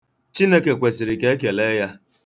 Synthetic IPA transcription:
t͡ʃi˦ne˦ke˨kʷe˨si˨ɾi˨ke˦k̬e˨le˦ja˦

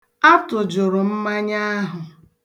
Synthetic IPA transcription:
a˦tʊ˨d͡ʒʊ˨ɾʊ˨m̩˦ma˦ɲa˦ɦʊ˨

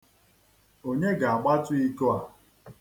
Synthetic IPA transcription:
o˦ɲe˦ɡa˨a˨ɡ͡ba˦tʊ˦i˦ko˦a˨

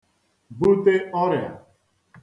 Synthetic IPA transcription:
bu˦t̪e˦ɔ˦ɾɪ˨a̰˨

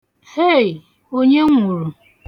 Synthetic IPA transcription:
he˦˨j | o˦ɲe˦ŋʷʊ˨ɾu˨

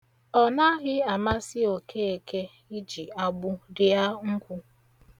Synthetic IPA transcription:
ɔ˨na˦ɣɪ˦a˨ma˦sɪ˦o˨kʰe˦e˨ke˦ | i˦d͡ʒi˨a˦ɡ͡bʊ˦dɪ˦a˦ŋ̩˦kʷʊ˦

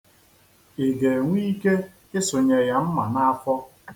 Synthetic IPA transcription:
ɪ˨ɡe˨ŋʷ˦i˦ke˦ | ɪ˦sʊ˨ɲe˨ja˨m̩˦ma˨na˦a˦fʷɔ˦

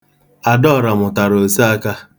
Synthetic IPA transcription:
a˨dɔ˦˨ɾa˨mʊ˨ta˨ɾo˨si˦a˦ka˦

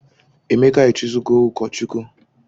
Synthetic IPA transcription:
e˨me˦ka˦i˨t͡ʃi˦zu˦ko˦u˦kɔ˨t͡ʃu˦ku˦

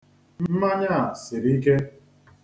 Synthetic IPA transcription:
m̩m̩˦ma˦ɲa˦˨sɪ˨ɾi˦ke˦

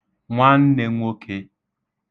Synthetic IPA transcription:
ŋʷa˦n̩˦ne˦ŋʷo˦kʰe˦

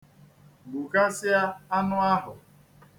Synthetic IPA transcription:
ɡ͡bu˨ka˦sɪ˦a˦a˦nʊ˦a˦ɦʊ˨

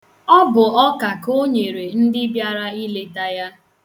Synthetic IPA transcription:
ɔ˦bʊ˨ɔ˦ka˨ko˦ɲe˨ɾe˨n̩˦dɪ˦bja˦ɾa˦i˦le˦da˦ja˦

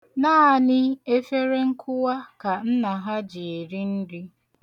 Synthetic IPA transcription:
naː˦˨nɪ˦e˦fe˦ɾe˦ŋ̩˦kʰʊ˦wa˦ka˨n̩˦na˨ɦa˦d͡ʒɪ˨e˨ɾi˦n̩˦dɪ˦

